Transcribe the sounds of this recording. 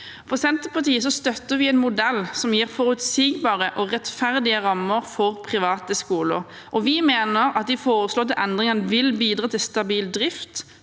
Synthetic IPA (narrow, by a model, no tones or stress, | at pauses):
fɔsɛnt̪əpɑt̪iːəs̬ɔst̪œt̪ːəʁʋɪɛːnmʊd̪ɛlsɔmjiːʁfɔʁʉt̪siːɡbɑːʁəʔɔʁɛt̪fæʁd̪ɪəʁɑmːəʁfɔʁpʰʁɪʋɑːt̪əskuːlə̰ɾ | ʔɔʋɪmeːnəɾɑt̪̚d̪ɪfoːʁəsloːʁt̪ʰɪlʔɛnd̪ʁɪŋənəʋɪlbiːd̪ʁɑːt̪ʰɪlst̪ɑbiːld̪ʁɪft̪